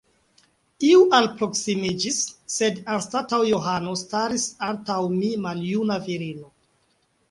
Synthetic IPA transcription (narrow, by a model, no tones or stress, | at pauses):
iuʔalpɾo̞ksimid͡ʒisːe̞danstatawjoɦano̞staɾisantawmimaljunaviɾino̞